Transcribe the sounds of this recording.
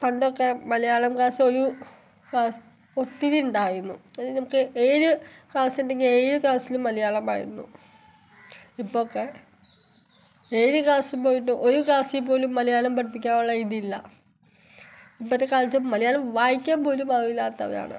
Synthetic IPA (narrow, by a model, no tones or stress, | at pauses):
pɐɳɖokːe̞mɐlɐjaːɭɐmkaːso̞ɾu | kaːs | ot̪ːiðiuɳɖaːjiɾunːṵɐðinɐmukːɨʔeːɾukaːsiɳɖe̞ŋɡile̞ːɾukaːsilumːɐlɐjaːɭɐma̰ːjḭɾunːṵ | ipːookːe̞ | eːɾukaːsumpo̞ːjiʈːɨʔo̞ɾukaːsijp̬ːo̞ːlumːɐlɐjaːɭɐmpɐʈipːikʲːaːmuɭːɐiðiilːɐ̰ | ipːɐt̪ːekaːlt͡ɕːumːɐlɐjaːɭɐmʋaːjikʲːaːmpo̞ːlumɐðɐilːaːt̪ːɐ̰ʋɐ̰ja̰ːɳɨ̰